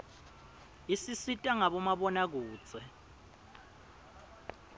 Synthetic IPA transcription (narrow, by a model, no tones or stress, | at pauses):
isisitʼaŋaɓɔmaɓɔnak̬uːt͡sʼɛ